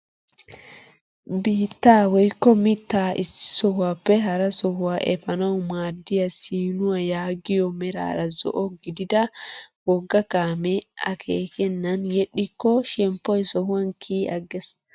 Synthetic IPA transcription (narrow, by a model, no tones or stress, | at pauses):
biːt̪ːaːwɔjkːɔmɪt̪ːaːʔɪsɪ̥sɔhʊwaːpːɛɦɐɾɐsɔhʊwaːʔɛfɐnɐwʊmaːd̪ːɪjɐsiːnʊwɐjaːɡɪjɔmɛɾa̰ːɾɐzɔ̰ʔɔɡɪd̪ɪd̪ɐwɔɡːɐkaːmɛɐ̰kʰeːkɛnːɐnjɛɗɪkːɔʃɛmpːɔjsɔhʊwɐnkʰiːɐɡːɛs